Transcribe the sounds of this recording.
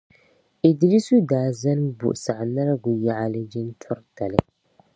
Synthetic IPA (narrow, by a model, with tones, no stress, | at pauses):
i˨di˦ɾi˦su˦daː˨za˦nbʊ̰˨ʔsa˨ʔna˦ɾɡʊ˨ja˦ʔa˦lɨ˦d͡ʒi˦n˦tʰɔ˦ɾta˨lɨ˦